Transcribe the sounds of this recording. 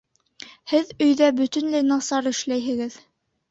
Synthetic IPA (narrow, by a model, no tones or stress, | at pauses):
hɘðɵ̆jðæbɵ̆t̪ɵ̆nlɘnɑsɑɾɘ̆ʃlæjɦɘ̆ɡɘð